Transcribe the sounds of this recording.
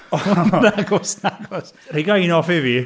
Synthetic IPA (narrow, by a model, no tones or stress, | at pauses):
ɔnaɡɔsnaɡɔsreɡajnɔfɪvi